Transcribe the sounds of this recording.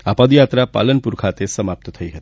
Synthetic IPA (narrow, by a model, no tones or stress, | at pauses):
apʌd̪jat̪ɾapa̰lənpuɾkʰat̪esʌmap̚t̪t̪ʰʌjɦʌt̪